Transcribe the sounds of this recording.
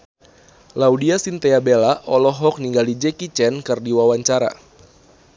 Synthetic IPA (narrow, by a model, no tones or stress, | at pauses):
laudiasint̪eabelaʔɔlɔɦɔk̚niŋɡalid͡ʒɛkit͡ʃɛnkɨrdiwawaɲt͡ʃaɾa̰